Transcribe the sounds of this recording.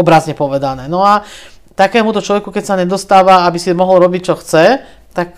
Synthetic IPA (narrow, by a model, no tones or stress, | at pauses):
ɔbɾazɲɛpɔʋɛd̪anɛːnɔat̪akɛːmut̪ɔt͡ʃlɔʋɛkukɛcsaɲɛd̪ɔst̪aːʋaabisimɔɦɔlɾɔbic̚t͡ʃɔxt͡sɛ | t̪ak